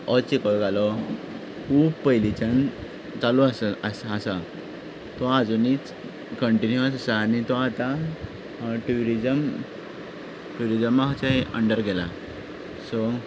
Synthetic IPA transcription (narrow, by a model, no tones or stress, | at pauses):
ɔt͡ɕikɔlɡalɔ | kuːbpəɦilit͡ɕan | t͡saluasaəsasa | t̪ɔad͡zunit͡s | kəɳʈinjuəsasaːnit̪ɔat̪ã | ʈuɾid͡zəm | ʈuɾid͡zəmːaɦt͡ɕaɦeʔə̰ɳɖəɾɡɛla̰ | sɔ